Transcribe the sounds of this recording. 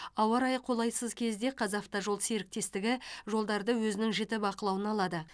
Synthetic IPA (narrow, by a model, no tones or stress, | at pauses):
ɑwɑɾɑjqʰo̞lˠɑjsəzkʲʰe̞zd̪e̞qʰɑzɑft̪ɑʒo̞lˠseɾɪk̚t̪e̞st̪ɪɡʲɪʒo̞lˠd̪ɑɾd̪əwɵzɪnɪŋʒɪt̪ɪbɑqəlˠɑwənɑlˠɑd̪ə